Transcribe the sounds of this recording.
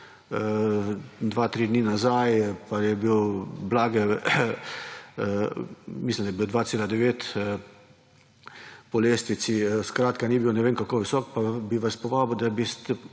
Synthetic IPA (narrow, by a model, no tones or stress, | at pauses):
d̪ʋaːt̪ɾiːd̪niːnazajpajɛbiwblaːɡɛ | mislʲimd̪ajbiːwd̪ʋaːt̪seːlad̪ɛʋeːt̪ | pɔleːst̪ʋit̪siskɾaːt̪kaniːbiwnɛʋeːŋkakoːʋisɔːk̚pabiʋaspɔʋaːbwd̪abist̪ɛ